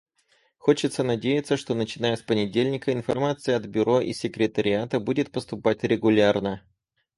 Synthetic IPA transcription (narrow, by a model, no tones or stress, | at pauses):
xo̞t͡ɕɪt̪sənɐdʲejɪt̪səʂt̪o̞nət͡ɕɪnajəspənʲɪdʲelʲnʲɪkəɪnfɐrmat̪sɨjəɐd̪bʲʊɾo̞ʔḭsʲːɪkɾʲɪt̪əɾʲɪat̪əbudʲɪt̪̚pəst̪ʊpatʲɾʲɪɡʊlʲarnə